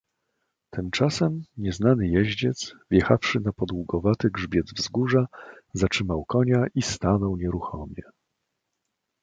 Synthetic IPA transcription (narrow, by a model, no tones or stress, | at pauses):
t̪ɘmt͡ʂasɛmɲɛznanɘjɛʑd͡ʑɛt̪svjɛxafʂɘnapɔd̪wuɡɔvat̪ɘɡʐbʲjɛd̪zvzɡuʐazat͡ʂʂɘmawkɔɲaʔist̪anɔwɲɛɾuxɔmʲjɛ̰